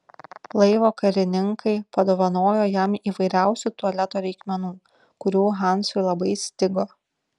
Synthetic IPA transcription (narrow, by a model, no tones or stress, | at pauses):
lˠɐɪʋoːkɐɾʲɪnʲɪŋkʰɐɪpɐd̪oːʋɐnoːjoːjɛmiːʋɐɪɾʲæˑʊsʲuˑt̪uɔlʲɛt̪oːɾʲɛɪkmʲɛnuː | kʊɾʲuːɦɑˑnsʊɪlˠɐbɐɪsʲt̪ʲɪɡoː